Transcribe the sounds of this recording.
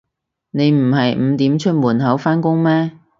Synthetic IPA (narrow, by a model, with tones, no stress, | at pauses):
ne˨˧jm̩˨˩ɦɐ˨jm̩˨˧t̪iː˨˥mt͡ʃʰɵ˥t̚muː˨˩nɦɐ˨˥wfaː˥nkʊ˥ŋmɛː˥